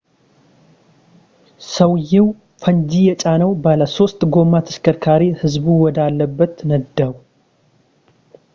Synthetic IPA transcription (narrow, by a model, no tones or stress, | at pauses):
səwjɪw | fəɲd͡ʒijɛt͡ʃʼanəwbaləso̞st̪ɡo̞mat̪ʰə̥skʰəɾkʰaɾihɨzbuwɔd̪alːəbːət̪nəd̪ːəwu